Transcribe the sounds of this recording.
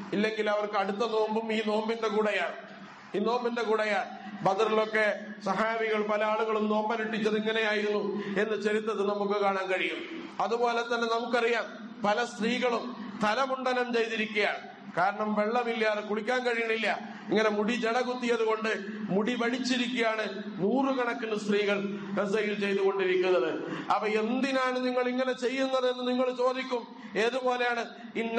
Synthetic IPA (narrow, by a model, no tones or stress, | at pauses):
ilːe̞ŋɡilɐʋɐrkɨɐɽut̪ːɐno̞ːmbumiːno̞ːmbindekuːɽɐjaːɳ | iːno̞ːmbinde̞kuːɽɐjaːbɐd̪ɐrilo̞kːe̞sɐɦaːʋiɣɐɭpɐlɐaːɭuɣɐɭumno̞ːmbɐniʈːit͡ɕːɐðiŋːɐne̞jaːjiɾunːue̞nːɨt͡ɕeɾit̪ːɐðɨnɐmukːɨkaːɳaːnkɐɻijumɐðubo̞ːle̞t̪ːɐnːe̞nɐmukːɨɐrijaːm | pɐlɐst̪riːɣɐɭumt̪ɐlɐmuɳɖɐlɐmt͡ɕejt̪iɾikʲːujaːɳ | kaːɾɐɳɐmʋe̞ɭːɐmilːɐðkuɽikʲːaːnkɐɻijɐɳːilːɐ | iŋːɐne̞muɽid͡ʑeɽɐɣut̪ːijɐðuɣo̞ɳɖɨmuɽiʋɐɻit͡ɕːiɾikʲːujaːɳɨ | nuːrɨkɐɳɐkːinːɨst̪riːɣɐɭkɐsɐjilt͡ɕe̞jt̪uɣo̞ɳɖiɾikʲːunːɐðɨɐpɐe̞nd̪inaːɳɨniŋːɐɭiŋːɐne̞t͡ɕe̞jːunːɐðe̞nːɨniŋːɐɭt͡ɕo̞ːd̪ikʲːum | e̞ːðupo̞ːle̞jaːɳɨ | inː